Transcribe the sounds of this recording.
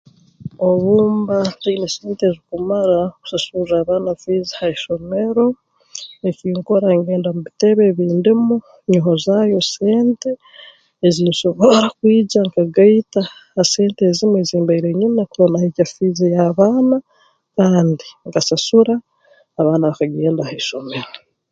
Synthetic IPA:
o̞βuːmbazaineseːntezikumaɾaku̥sasuɾaβaːnafiːzihaiʃo̞me̞ɾo̞ | eciːŋko̞ɾaŋɡe̞ːndamuβite̞βe̞βiːndimu | ɲiɦo̞zaːjo̞se̞ːnte̞ː | zinʃo̞βo̞ɾakwiːɟaŋkaɡaitaːse̞ːnteːzimweziːmbaiɾe̞ɲinekuɾonahecafizijaβaːna | kaːndiŋkasasuɾaː | βaːnaβakaɡe̞ːndahaiʃo̞me̞ɾo

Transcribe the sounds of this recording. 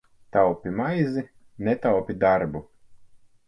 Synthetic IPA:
t̪awpʲimajzi | net̪awpʲid̪aɾbu

